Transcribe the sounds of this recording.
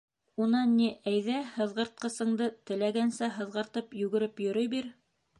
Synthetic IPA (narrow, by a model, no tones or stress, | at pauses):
unɑnːiʔæjðæhɤ̆ðʁɤ̆ɾt̪̚qɤ̆sɤ̆ɴd̪ɤt̪ɘ̆læɡænsæɦɤ̆ðʁɤ̆ɾt̪ɤpjʉɡɘ̆ɾɘpjɵ̆ɾɵjbiɾ